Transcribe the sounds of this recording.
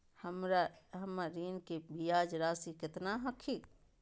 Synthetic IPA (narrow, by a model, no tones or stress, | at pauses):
həmɾaɦəmːaɾiːnkebijaːd͡ʒɾaːsikɪt̪naɦəkʰi